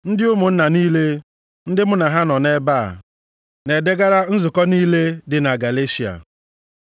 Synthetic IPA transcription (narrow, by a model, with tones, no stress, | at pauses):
n̩˦dɪ˦ʊ˦mʊ˨n̩˦na˨niː˦le˦ | n̩˦dɪ˦mʊ˦na˨ɦa˦nɔ˨ne˦ba̰ː˦˨ | ne˨de˦ɡa˦ɾa˦n̩˦zʊ˨kɔ˦niː˦le˦dɪ˨na˨ɡa˨le˦si˨a̰˨